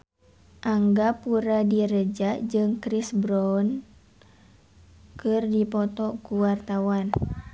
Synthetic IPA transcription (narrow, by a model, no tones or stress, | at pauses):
ʔaŋɡapuɾadiɾəd͡ʒaʔd͡ʒɨŋkɾisbɾɔn | kɨrdipɔt̪ɔkuwart̪awan